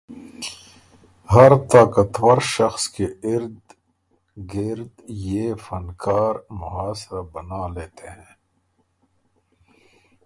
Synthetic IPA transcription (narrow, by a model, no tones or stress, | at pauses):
hɐɾt̪aːkɐt̪wɐɾʃɐxskeɪɾd̪ | ɡɪɾd̪jeːfɐnkaːɾmʊɦaːsɾabɐnaːleːt̪eɦɛ̃ː